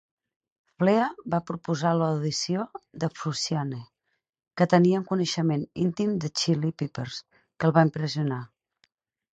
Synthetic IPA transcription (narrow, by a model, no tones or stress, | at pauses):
fleəβapɾupuzaləwðisioðəfusiane | kət̪əniəuŋkunəʃəmenint̪imd̪ət͡ʃilipipəɾs | kəlˠβampɾəziuna